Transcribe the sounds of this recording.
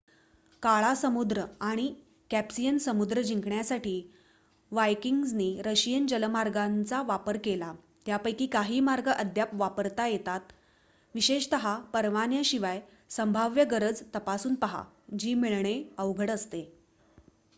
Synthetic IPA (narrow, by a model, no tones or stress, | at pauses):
kaɭasəmud̪ɾəaɽ̃i | kæpsijənsəmud̪ɾəd͡ʑiŋkɳjasaʈʰiː | ʋajkiŋɡsniːɾəɕijənd͡ʑələmaɾɡant͡saʋapəɾkela | t̪japəjkiːkaɦiːmaɾɡəʔəd̪ʱjapʋapəɾt̪ajet̪at̪ | ʋiɕeɕt̪əɦapəɾʋanjəɕiʋaj | səmbʱaʋjəɡəɾəd͡zt̪əpasuːnpəɦa̰ | d͡ʑiːmiɭɳeəʋɡʱəɽəst̪e